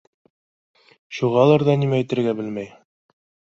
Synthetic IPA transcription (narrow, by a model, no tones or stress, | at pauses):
ʃuʁɑlˠɑɾðɑnimæːjt̪ɘ̆ɾɡæbɘlmæj